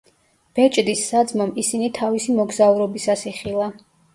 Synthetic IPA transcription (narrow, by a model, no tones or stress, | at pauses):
b̥ɛt͡ʃʼd̪isːad̪zmɔmisinit̪ʰavisimɔɡzauɾɔbisasiχilˠa